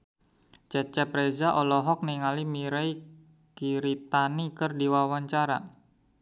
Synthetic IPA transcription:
t͡ʃɛt͡ʃɛpɾezaʔɔlɔɦɔk̚niŋalimiɾɛj | kiɾit̪anikərdiwawaɲt͡ʃaɾa

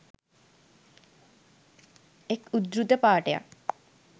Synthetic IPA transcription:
ekud̪ɾud̪əpaːʈeja̰

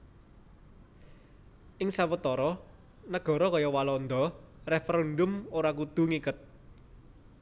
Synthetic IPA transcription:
ʔɪŋsawət̪ɔɾɔ | nəɡ̥ɔ̤ɾɔkajɔwalɔnd̪ɔrefɛɾɛndʊmoɾakud̪̥ṳŋikʊt̪̚

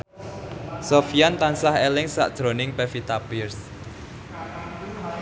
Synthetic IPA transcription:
sofiant̪ansahɛlɪŋsa̰ʔd̥ʒ̥ɾo̤nɪŋpɛfit̪apɪrs

